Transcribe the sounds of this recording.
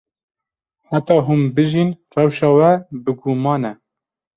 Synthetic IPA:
ħæt̪ɑːɦuːmbɨʒinrɛwʃɑːwɛbɨɡumɑːnɛ

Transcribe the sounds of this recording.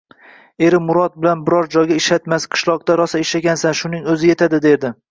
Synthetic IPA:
e̞ɾɪmʊɾɒt̪̚bɪlanbɪɾɒɾd͡ʒɒjɡʲaɪʃat̪masqʰɨ̥ʃlˠɒq̚t̪aɾɒsaɪʃaɡʲansanʃʊnɪŋɵzɪje̞t̪ʰad̪ɪd̪e̞ɾd̪ɪ

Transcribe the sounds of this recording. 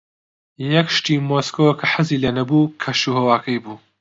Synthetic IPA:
jɐkʃt̪iːmoːskowkʰɐħɨziːlɐnɐbuːkʰɐʃuhɐwaːkʰɐjbuː

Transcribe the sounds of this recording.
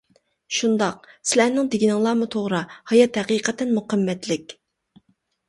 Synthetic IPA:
ʃund̪ɑq̚sɪlæɾnɪŋd̪ɪɡʲinɪŋlˠɑːmut̪ʰoʁɾɨhɑjɑt̪hɛqiːqɛt̪ɛnmuqʰɑmːɛt̪lɪkʲ

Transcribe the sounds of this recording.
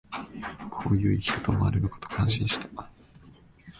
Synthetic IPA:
kʰo̞ːjɯ̟ːikʲi̥ko̥t̪omoa̰ɾɯ̟nɯ̟ko̞̥t̪o̥kʰãɰ̃ɕĩɕi̥t̪ḁ

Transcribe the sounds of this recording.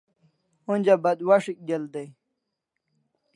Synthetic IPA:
unʲd͡ʑabɐd̪waʂik̚ɡeld̪ej

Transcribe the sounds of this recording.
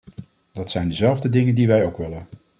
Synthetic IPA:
d̥ɑtsɛjndəzɛlˠvdədɪŋəndiʋɛjowkʋɪlən

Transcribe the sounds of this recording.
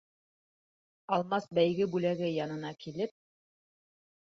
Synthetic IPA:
ɑlˠmɑsbæjɡɘbʉlæɡɘjɑnɤ̆nɑkilɘp̚

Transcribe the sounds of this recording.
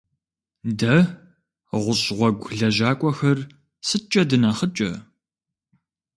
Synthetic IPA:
dɐ | ʁʷʊɕʁʷɔɡʷɮɐʑaːkʷʼɔxɐr | sɨt͡ʃʼɐdɨnɐχət͡ʃʼɐ̰

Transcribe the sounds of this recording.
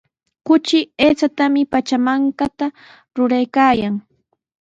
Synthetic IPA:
kʊt͡ʃɪeːt͡ʃat̪amɪpat͡ʃamaŋkat̪a | ɾʊɾajkaːjaŋ

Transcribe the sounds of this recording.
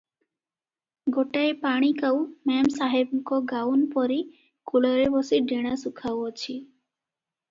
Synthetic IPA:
ɡoʈaepaɽ̃ikawmɛmsaɦebkɔɡawnpɔɾi | kulɔɾebɔsiɖeɽ̃asukʰawɔt͡ɕʰi

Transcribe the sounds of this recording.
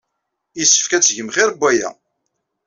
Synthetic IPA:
jisːə̥fkæt͡sːʝəmχɪɾbʷːæjæ̰

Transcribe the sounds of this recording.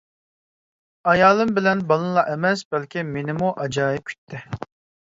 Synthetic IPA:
ɑjɑːlˠɨmbɪlɛnbɑlˠɨnlˠɑʔɛmɛsbɛlkʲʰimenɪmuʔɑd͡ʒɑːjɪp̚kʲʰy̥t̪ʰːɪ

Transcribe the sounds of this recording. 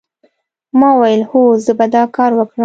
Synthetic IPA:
mɑwajəlhozəbad̪ɑkɑɾwəkɽə

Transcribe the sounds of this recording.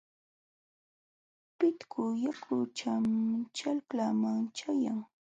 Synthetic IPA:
pɪt̪kʰʊjakʰʊt͡ʃamt͡ʃalklamaŋt͡ʃajaŋ

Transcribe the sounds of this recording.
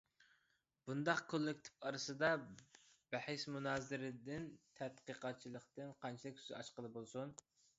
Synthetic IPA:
b̥und̪ɑqkʰolˠːɪkʲt̪ʰɪ̥pɑɾɨsɨd̪ɑ | b̥æħɪʃmunɑːzɪɾɪd̪ɪnt̪ʰɛt̪qəqɑt̪̚t͡ʃʰilˠəqt̪ɨnqʰɑnt͡ʃʰilɪkʲy̥zɪɑʃqəlˠɨbolˠsun

